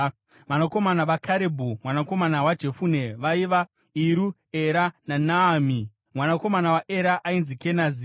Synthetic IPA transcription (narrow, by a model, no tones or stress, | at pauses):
ʋanako̞manaʋakʰaɾebʱumwanako̞manawad͡ʒe̞fune̞ʋaiʋa | iɾu | eɾananaːmi | mwanako̞manawaʔe̞ɾaʔainzike̞nazi